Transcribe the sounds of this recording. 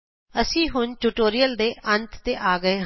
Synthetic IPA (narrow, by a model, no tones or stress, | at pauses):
əsĩːɦʊnʈuːʈoːɾɪjəld̪eːʔʔənt̪t̪eːʔaːɡəeːɦ